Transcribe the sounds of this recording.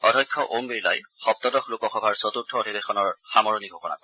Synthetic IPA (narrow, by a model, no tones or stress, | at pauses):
ɔdʱɔjkʰːɔʔombiɹla̰jxɔp̚t̪ɔdɔxlukɔxɔbʱaɹsɔt̪uɹtʰɔodʱibexɔnɔɹxamɔɹɔniɡʱɔkɔna̰kɔ